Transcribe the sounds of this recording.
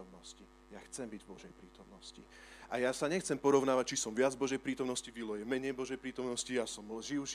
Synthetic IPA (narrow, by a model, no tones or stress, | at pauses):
mnɔsci | jaxt͡sɛmbiɟvbɔʒɛjpɾiːt̪ɔmnɔscḭ | ajasaɲɛxt͡sɛmpɔɾɔʊnaːʋac̚t͡ʃisɔmʋɪad͡zvbɔʒɛjpɾiːt̪ɔmnɔsciʋilɔjɛmɛɲɛjbɔʒɛjpɾiːt̪ɔmnɔscijasɔmlʒiʊʃ